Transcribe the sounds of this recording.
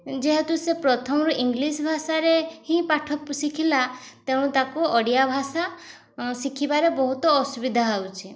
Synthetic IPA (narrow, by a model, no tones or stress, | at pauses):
d͡ʒeɦet̪usepɾɔt̪ʰɔmɔɾuʔiŋɡlisbʱasaɾehĩpaʈʰɔpsikʰilat̪ẽt̪akuɔɽijabʱasa | sikʰibaɾebɔɦut̪ɔːsubid̪ʱaawt͡ʃʰi